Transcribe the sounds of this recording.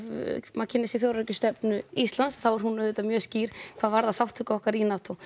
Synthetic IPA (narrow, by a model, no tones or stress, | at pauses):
macʰɪnɛsɪθjowɾɾɛcʏst̪ɛpnʏist̪lansθawɛɾ̥hunœðʏːt̪amjœːsciːɾ̥kʰvaːðvaɾðaθawht̪ʰʏkɔhkaɾinat̪ʰɔ